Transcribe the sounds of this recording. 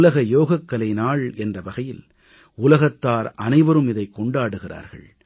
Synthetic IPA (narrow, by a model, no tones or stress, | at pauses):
lɐɣɐjoːɣɐkːɐlɐɪnaːɭɛndrɐʋɐɣɐjɪl | ʊlɐɣɐt̪ːaːɾʔɐnɐɪʋɐɾɯmɪðɐɪkːɔɳɖaːɽɯɣɪra̰ːɾɣɐ̰ɭ